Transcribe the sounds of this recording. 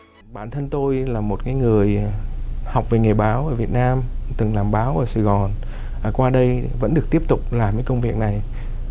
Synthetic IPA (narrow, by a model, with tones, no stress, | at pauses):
ɓaː˧˩nt̪ʰə˧nt̪o˧jlaː˨˩mo˨˩t̚kaː˨˦jŋɨ˨˩əj | ha˨˩wk͡p̚ve˨˩ŋe˨˩ɓaː˨˦wʔəː˧˩vi˨˩ət̚naː˧mt̪ɨ˨˩ŋlaː˨˩mɓaː˨˦wʔəː˧˩saː˧˩ɣɔ˨˩nː˨˩ | kwaː˧ɗə˧jvə̰˧˥nɗɨ˨˩ək̚t̪i˦˥əp̚t̪ʊ˨˩k͡p̚laː˨˩mkaː˨˦kə˧wŋ͡mvi˨˩ək̚na˨˩j